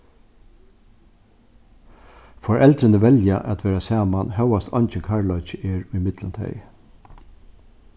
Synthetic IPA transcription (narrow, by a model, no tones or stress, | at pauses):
fɔɹʔɛlt̪ɾənəʋɛljaʔæ̰t̪ʰʋɛːɾasæːmanɦœwast̪ʰɔnt͡ʃənkʰaɹlɔʏt͡ʃəʔɛːɹʊjmɪt̪lənt̪ʰɛ̰j